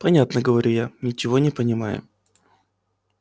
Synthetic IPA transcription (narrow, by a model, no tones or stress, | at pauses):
pɐnʲat̪nəɡəvɐɾʲujanʲɪt͡ɕɪvo̞nʲɪpənʲɪmajʊ̰